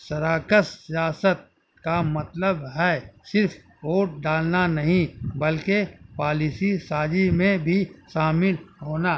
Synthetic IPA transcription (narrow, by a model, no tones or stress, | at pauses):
sɐɾaːkəsːijaːsət̪̚ | kamɐt̪ləbɦɛsɪɾfʰ | oːʈ̚ɖaːlnanɐɦĩbɐlkepaːlisisaːd͡ʒimẽbʱiʃaːmɪlɦoːna